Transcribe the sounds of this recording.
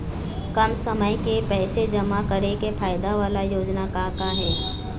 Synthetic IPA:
kɐmsəməjkepɛːsed͡ʒɐmakəɾekefʰaːjɪd̪aʋaːlajoːd͡ʒnakakaɦɛː

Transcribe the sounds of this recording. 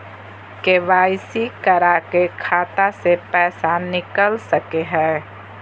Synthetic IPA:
keʋaːɪsikəɾakekʰaːt̪asepɛːsanɪkəlsəkeɦɛ̃ː

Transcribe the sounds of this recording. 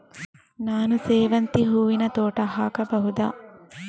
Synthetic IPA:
naːnuseːʋɐnt̪iɦuːʋinɐt̪oːʈɐɦaːkɐbɐɦud̪a̰ː

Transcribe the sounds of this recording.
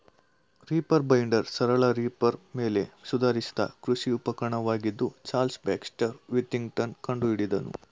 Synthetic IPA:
ɾiːpɐɾbɐjɳɖɐɾsɐɾɐɭɐɾiːpɐɾme̞ːle̞sud̪aːɾisi̥d̪ɐ̰kɾusiupɐkɐɾɐɳɐʋaːɡid̪ːut͡ʃaːlsbɛːksʈɐɾʋit̪ːiŋɡʈɐnkɐɳɖuiɽid̪ɐnṵ

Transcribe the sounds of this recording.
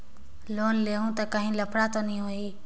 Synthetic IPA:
loːnleːɦũːt̪akəɦĩːləpʰɽaːt̪oːnĩːɦoːiː

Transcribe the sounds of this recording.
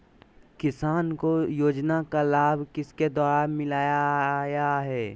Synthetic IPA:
kɪsaːnkojoːd͡ʒnakalaːbʱkɪsked̪aːɾamɪlaːjajaɦɛː

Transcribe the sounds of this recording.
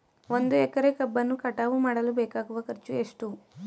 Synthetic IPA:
ʋo̞nd̪uɛkɐɾekɐbːɐnːukɐʈaːʋumaːɽɐlubɛːkaːɡuʋɐkɐɾt͡ʃueʂʈu

